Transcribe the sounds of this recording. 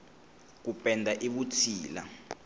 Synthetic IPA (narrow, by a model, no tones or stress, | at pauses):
k̬upʼɛndʱaʔiɓut͡sʰiːla̰